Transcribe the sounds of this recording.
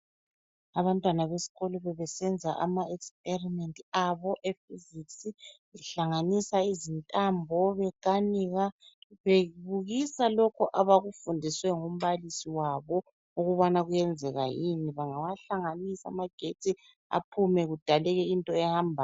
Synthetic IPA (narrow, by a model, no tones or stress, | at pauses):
aβantʼwanaβesi̥ɣɔlɔβɛβɛsɛnd͡zʱaʔa̰maɛkspʰʼerimɛntʼiaβɔʔefiziksi | ɛɬaŋanisaizintʼambʱɔβɛɡ̥ʱaniɣaβeβuɣisalɔkʰɔʔaβaɣufundʱiswɛŋum̩βalisiwaβɔ | uɣuβanaɣujɛnd͡zʱɛɣa̰jiniβaŋawaɬaŋanisa̰maɡ̥ʱetʰʼi | a̰pʰumɛɣud̥ʱalɛɣɛintʼɔɛhambʱa